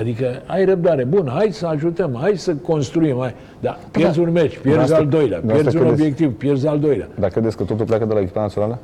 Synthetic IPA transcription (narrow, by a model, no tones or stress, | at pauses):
ad̪ikəajrəb̚d̪aɾe̞bunɦajsəaʒut̪əmajsəko̞nst̪ɾuimaj | d̪apijezulme̞t͡ʃpjeɾzald̪o̞jlea̰pjeɾzunobje̞kt̪ivpje̞rzald̪o̞jlʲea̰d̪akɾe̞d̪esʲkət̪ot̪ulpleakəd̪elaekʲi̥panat̪sionalə